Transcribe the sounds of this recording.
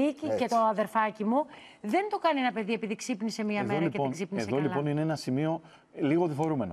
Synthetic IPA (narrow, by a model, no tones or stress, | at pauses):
icice̞t̪oɐðe̞ɾfɐcimu | ðe̞nt̪o̞kɐnie̞nɐpe̞ðie̞piðiksipnise̞miɐmðeɾɐienksipnieðolipo̞nineenɐsimio̞ | liɣoðifo̞ɾume̞no̞